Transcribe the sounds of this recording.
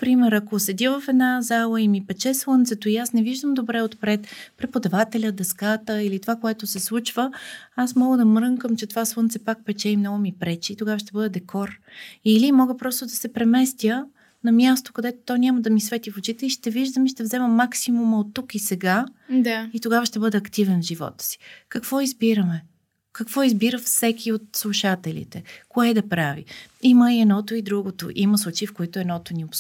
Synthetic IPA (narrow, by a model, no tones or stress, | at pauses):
pɾimɛɾɐkosɛd̪ʲəvəfɛd̪nazalˠəimipɛt͡ʃɛslˠɤnt̪sɛt̪oiasnɛviʒd̪əmd̪obɾɛot̪pɾɛt̪pɾɛpod̪ɐvat̪ɛlʲəd̪ɐskat̪əilit̪ovakoɛt̪osɛslˠut͡ʃvəasmɔɡˠəd̪ɐmɾɤŋkəmt͡ʃɛt̪ovaslˠɤnt̪sɛpak̚pɛt͡ʃɛimnɔɡomipɾɛt͡ʃit̪oɡavəʃt̪ɛbɤd̪ɛd̪ɛkʰɔɾilimɔɡəpɾɔst̪od̪ɐsɛpɾɛmɛst̪ʲjə | nɐmʲjast̪o̥kɐd̪ɛt̪o̥t̪ɔnʲaməd̪ɐmisvɛt̪ifot͡ʃit̪ɛiʃt̪ɛviʒd̪əmiʃt̪ɛvzɛməmaksimumot̪ːukisɛɡad̪ait̪oɡavəʃt̪ɛbɤd̪ɛɐkt̪ivɛnvʒivɔ̰t̪ə̥si̥kɐkv̥ɔizbiɾəmɛ | kɐkv̥ɔizbiɾəfsɛkʰʲiot̪slˠuʃat̪ɛlḭt̪ɛkoɛd̪ɐpɾavḭiməiɛd̪nɔt̪oid̪ɾuɡot̪o̰ʔiməslˠut͡ʃiːfkoɛt̪ʊɛd̪nɔt̪onʲiop